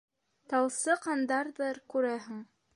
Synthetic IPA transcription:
t̪ɑwˠsɤqɑnd̪ɑɾðɤɾkʉɾæɦɘ̆ŋ

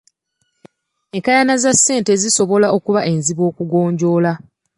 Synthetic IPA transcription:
ekajanazasːe̞ːnte̞ziso̞βo̞laʔo̞kuβaʔe̞nziβo̞ːkuɡo̞ːɲɟo̞ːla

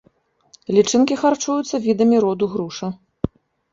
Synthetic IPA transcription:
lʲit͡ʂɨnkʲixart͡ʂujut̪sːɐvʲid̪ɐmʲiɾɔd̪uɣɾuʂɐ

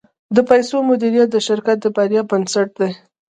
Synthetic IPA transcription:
d̪əpajsomʊd̪iɾijat̪̚d̪əʃɪɾkat̪̚d̪əbaɾjɑbansaʈ̚d̪e

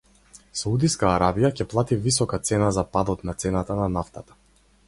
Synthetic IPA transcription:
saud̪iskaːɾabijacɛplˠat̪ivisɔkat̪sɛnazapad̪ɔt̪nat̪sɛnat̪ananaft̪at̪ḁ

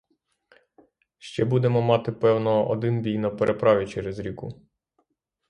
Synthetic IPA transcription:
ʃt͡ʃɛbud̪ɛmɔmɑt̪ɪpɛwnɔɔd̪ɪnbʲijnɐpeɾʔepɾɑʋʲit͡ʃɛɾɛzɾʲikʊ

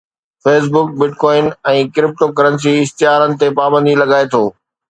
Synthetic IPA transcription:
feːs̬bʊk̚bɪʈkɔːɪnɛ̃ːkɪɾɪp̚ʈokɐɾəns̬iɪst̪ɪɦaːɾənɪ̆t̪epaːbə̃nd̪ʱilɐɡaːet̪ʰoː

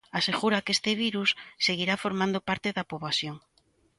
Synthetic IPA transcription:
aseɣuɾakest̪eβ̞iɾusːeɣ̞iɾafoɾmãnd̪opaɾt̪eðapoβasjoŋ

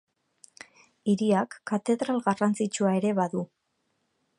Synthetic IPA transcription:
iɾiakːat̪e̞ðɾalɣarant͡sit͡ʃuae̞ɾe̞βaðu

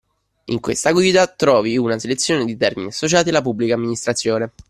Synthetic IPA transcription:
ḭŋkwḛst̪aɡwiːd̪at̪ɾɔːviunaselet̪sːjoːned̪it̪ɛrminiasːot͡ʃaːt̪ialːapubːlikamːinist̪ɾat̪sːjoːne

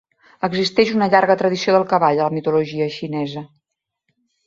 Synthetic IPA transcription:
əɡzist̪ɛʃunəʎaɾɣət̪ɾəðisioðəlˠkəβaʎələmit̪uluʒiəʃinɛzə

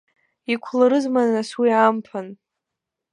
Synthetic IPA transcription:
ikʷʰlaɾɨzmanaswiampʰan

